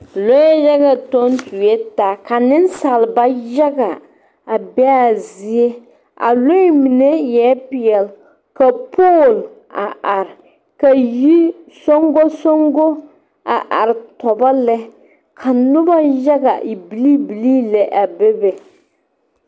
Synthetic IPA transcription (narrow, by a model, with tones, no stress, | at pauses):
lo˦jɛ˦jɛ˦ɣa˨to˦n˦tu˨jɛ˦ta˦ka˨nɪ˦n˦sa˨lba˦jɛ˦ɡa˨ | a˨bɛ˦a˦˨zi˦e˦ | a̰˨lo˦mi˨nɛ˦jɛ˨˦pɪ˨ɛ˨l | ka˨poː˦˨l | a˨ʔa˨ɾ | ka˨ji˦so˦ŋɡo˦so˦ŋɡo˦ | a̰˨ʔa˨ɾɪ˨tɔ˨ba˦lɛ˦ | kʰa˨nʊ˦ba˦jɛ˦ɡa˨ʔi˨bi˨li˦bi˨liː˦lɛ˨ʔa˨bɛ˦bɛ˨